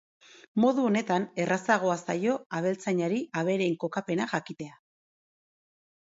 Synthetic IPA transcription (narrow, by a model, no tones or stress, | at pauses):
mo̞ðuo̞ne̞t̪ane̞rʔasaɣ̞o̞asajo̞aβ̞e̞lt͡saɲaɾiaβ̞e̞ɾe̞ŋko̞kape̞naʝakit̪e̞a